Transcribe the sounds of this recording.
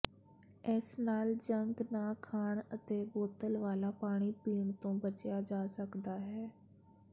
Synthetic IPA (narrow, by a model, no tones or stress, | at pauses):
ɪsnaːld͡ʒəŋɡnaːkʰaːɳət̪eːboːt̪əlʋaːlaːpaːɽ̃iːpiːɳt̪õːbət͡ʃjaːd͡ʒaːsəkd̪aːɦɛː